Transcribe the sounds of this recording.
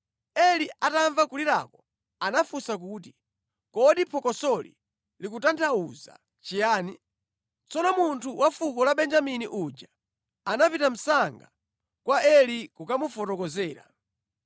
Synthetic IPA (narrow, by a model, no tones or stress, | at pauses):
ɛliʔataɱvakuliɾa̰kɔ | anafusak̬uːti | kɔɗipʰɔkɔsɔlḭ | likutantʰauza̰ | t͡ʃijaːni | t͡sɔnɔmuntʰuwʔafukɔlaɓɛnd͡ʒaminiʔud͡ʒa | anapitam̩saŋɡa | kwaʔɛlikukamufɔtɔkɔzɛːɾa̰